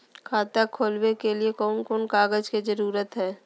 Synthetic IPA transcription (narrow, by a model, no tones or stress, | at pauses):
kʰaːt̪akʰoːlwekeliekɔːnkoːnkaːɡəd͡ʒked͡ʒəɾuːɾət̪ɦɛː